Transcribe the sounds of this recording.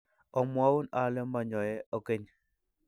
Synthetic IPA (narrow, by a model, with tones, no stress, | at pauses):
ɔ˨mwa˦u˦na˨lɛ˦ma˨ɲɔ˨jɛ˦ɔ˦ke˦ɲ